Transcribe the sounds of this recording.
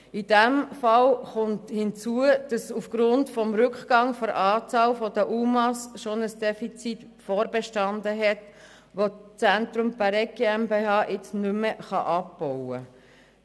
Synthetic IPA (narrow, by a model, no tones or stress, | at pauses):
id̥ɛmfɑlχʊnthɪnt͡suəd̥ɑsufɡ̥ɾʊntfɔmɾʏkχɡ̥ɑŋfɔɾʔɑːt͡sɑːlfɔd̥əʔumɑsʃonəsd̥ɛfit͡sit | fɔːɾbeʃtɑndəɦɛt | ʋot͡sɛntɾumpæɾɛɡeɛmbeɑːʔɪt͡snʏməχɑ̰ʔɑpbɔwə